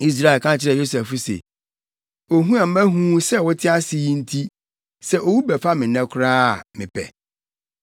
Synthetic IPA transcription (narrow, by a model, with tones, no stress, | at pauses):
i˦s̬ɾa˦˨ɪ˨lkʰã˦t͡ɕʰɪ˦ɾɛ˨jo˦su˨ɛ˨fʊ˦sḛ˨ | o˨ɦũ˦a˨m̩˦mæ̃˦ɦũ˦sɛ˦wʊ˦tʰɪ˦a˦sɪ˦i˦n̩˦tʰi˦ | sɛ˦ʔo˨wu˦bɛ˨fa˦mɪ̃˨nɛ̃˦kʷʰʊ˦ɾaː˦a˨mɪ̃˨pʰɛ̰˨